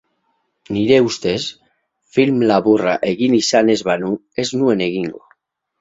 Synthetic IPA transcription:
niɾeust̪es | filmlaβura̰ʔeɣinisane̞zβanu | e̞znueneɣiŋɡo

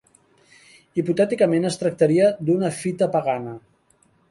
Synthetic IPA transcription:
iput̪ɛt̪ikəmenəst̪ɾək̚t̪əɾiəd̪unəfit̪əpəɣanə

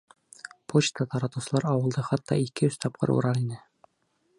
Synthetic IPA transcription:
pʰot͡ɕt̪ət̪ɑɾɑt̪uwsɤ̆lˠɑɾɑwɤ̆lˠd̪ɤχɑt̪ːɑ̰ikɘɵst̪ɒp̚qʰɤ̰ɾṵɾɑɾinɘ

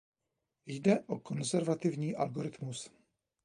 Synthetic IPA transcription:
jdɛʔoko̞nzɛɾvat̪ɪvɲiːʔalɡoɾɪt̪mus

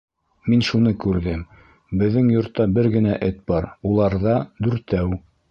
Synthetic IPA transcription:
minʃunɤkʉɾðɘm | bɘ̆ðːɘŋjŏɾt̪ːɑbɘɾɡɘ̆næʔɘt̪̚bɑɾulˠɑɾðɑd̪ʉɾt̪æw

